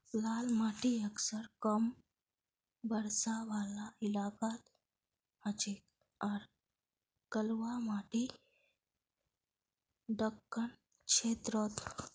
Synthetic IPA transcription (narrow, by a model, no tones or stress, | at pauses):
laːlmaːʈiəksəɾkəm | bəɾsaʋaːlaɪlaːkat̪ | ət͡ʃek | aːɾ | kəlʋamaːʈi | ɖəkːən | t͡ʃʰeːt̪ɾot̪